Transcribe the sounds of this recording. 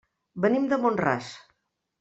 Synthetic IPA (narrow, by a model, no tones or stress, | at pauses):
bənimd̪əmonra̰s